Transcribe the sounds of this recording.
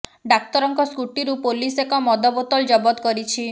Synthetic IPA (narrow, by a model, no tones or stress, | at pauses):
ɖak̚t̪ɔɾɔŋkɔskuʈiɾupolisekɔmɔd̪ɔbɔt̪ɔld͡ʒɔbɔt̪kɔɾit͡ʃʰi